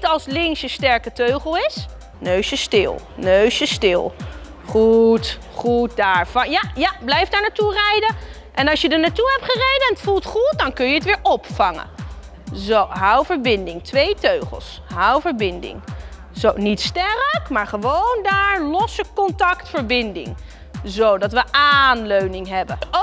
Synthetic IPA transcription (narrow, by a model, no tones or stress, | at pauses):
tɑlˠslɪŋsəstɛɹkətøɥχəlˠɪs | nøɥsəstɪ̰lˠ | nøɥsjəstɪlˠ | χut | χut̚daːɹvɑjajablɛjfdaːɹnaturɛjdə | ʔɛnɑʃjədənaːtuɦɛp̚tχərejdəɛnətfulˠtχut̚dɑnkɵnjəətʋɪːɹɔpfɑŋə̰ | zowɦʌwvəɹbɪndɪŋtʋejtøɥχə̰lˠs | ɦʌwvəɹbɪndɪ̰ŋ | zownitstɛrəkmaːɹχəʋowndaːɹlɔsəkɔntɑktfəɹbɪndɪ̰ŋ | zowdɑtʋəʔaːnløɥnɪŋɦɛbə